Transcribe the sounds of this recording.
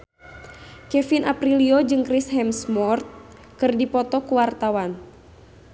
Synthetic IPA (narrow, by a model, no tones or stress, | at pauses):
kɛfinʔapɾiliod͡ʒɨŋkɾisɦɛmsmɔrt̪̚ | kɨrdipɔt̪ɔkuwart̪awan